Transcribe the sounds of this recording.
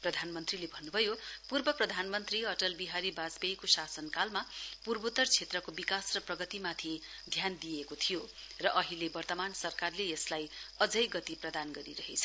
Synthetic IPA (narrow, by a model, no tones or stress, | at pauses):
prʌd̪ʱanmʌnt̪rilebʱʌnːubʱʌjopurbʌprʌd̪ʱanmʌnt̪riʌʈʌlbiɦaɾibad͡zbejkosasʌnkalmapurbut̪ːʌrt͡sʰet̪rʌkobikasrʌprʌɡʌt̪imat̪ʰi | d̪ʱjand̪ijekot̪ʰijo | rʌʔʌɦilebʌrt̪ʌmansʌrkarlejʌslajʌd͡zʌjɡʌt̪iprʌd̪anɡʌɾiɾʌɦet͡sʰʌ